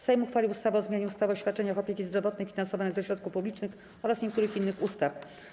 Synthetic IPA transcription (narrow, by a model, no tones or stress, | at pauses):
sɛjmuxfalʲiwust̪avaɔzmʲjaɲɛust̪avaɔɕfʲat̪̚t͡ʂɛɲaxɔpʲekʲizd̪ɾɔvɔt̪̚nɛjfʲinansɔvanɛjzɛɕɾɔt̪̚kufpublʲit͡ʂnɘx | ɔɾasɲɛk̚t̪uɾɘxinːɘxust̪af